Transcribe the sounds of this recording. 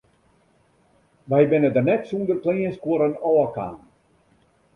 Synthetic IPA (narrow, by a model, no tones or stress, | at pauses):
ʋɛjbɪnədərnɛtsundərkliːənskwoɾənɔləka̰ːn